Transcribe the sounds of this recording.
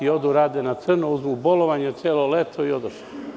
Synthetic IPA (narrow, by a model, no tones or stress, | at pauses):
iod̪uɾaːd̪enat̪sr̩nouzmuboloʋaɲet̪sjeːlolet̪ʰoiod̪oʃ